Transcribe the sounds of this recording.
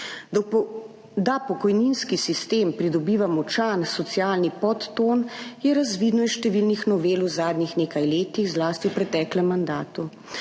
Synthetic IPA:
d̪apɔkɔjninskisist̪eːmpɾid̪ɔbiːʋamɔt͡ʃansɔt̪sijaːlnipɔt̪ːonjɛɾazʋid̪nɔisʃt̪ɛʋilnixnɔʋeːluwzaːd̪nixneːkajleːt̪iɣzlaːst̪iwpɾɛt̪ɛːklɛmːand̪aːt̪u

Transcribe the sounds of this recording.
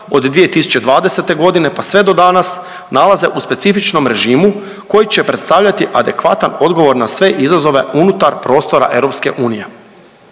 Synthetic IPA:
od̪d̪ːʋije̞t̪isu̥t͡ɕe̞d̪ʋaːd̪ese̞t̪e̞ɡo̞d̪ine̞pasʋe̞d̪o̞d̪anas | nalˠaze̞ʔuspe̞t̪sifit͡ʃno̞mɾe̞ʒiːmu | ko̞jit͡ɕe̞pɾe̞d̪st̪aːʋʎat̪iʔad̪e̞kʋat̪ano̞d̪ɡo̞ʋo̞ɾnasʋe̞ʔizazo̞ʋe̞unut̪aɾpɾo̞ːst̪o̞ɾa̰ʔe̞ɾo̞pske̞̰ʔuːnije̞

